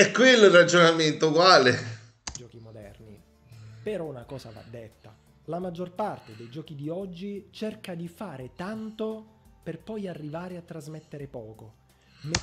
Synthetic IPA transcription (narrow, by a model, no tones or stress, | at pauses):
ɛkːwelːorːad͡ʒonament̪okwaːle | d͡ʒɔːkimod̪ɛ̰rni | peɾɔnakɔːsa̰va̰d̪ːet̪ːa | lamad͡ʒːorpart̪ed̪ejd͡ʒɔːk̟id̪iɔd͡ʒːit͡ʃerkad̪ifaːɾet̪ant̪operpɔjarːivaːɾeat̪ːɾazmet̪ːeɾepɔːko | m